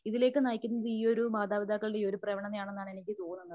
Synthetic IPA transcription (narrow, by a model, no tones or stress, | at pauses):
iðile̞ːkːɨnaːjkʲːunːɐðɨiːo̞ɾumaːd̪aːʋid̪ʱaːkːɐɭɽeiːo̞ɾuprɐʋɐɳɐnjaːɳenːaːɳenikʲːɨt̪oːnːunːɐðɨ